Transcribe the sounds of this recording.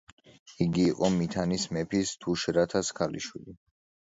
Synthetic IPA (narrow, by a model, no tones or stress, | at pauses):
iɡiːqʼɔmit̪ʰanismɛpʰist̪ʰuʃɾat̪ʰaskʰalḭʃwili